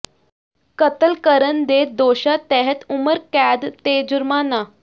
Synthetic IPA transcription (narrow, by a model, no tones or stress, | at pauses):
kət̪əlkəɾənd̪ed̪oɕat̪ɛɦət̪uməɾkæd̪t̪ed͡ʑuɾmana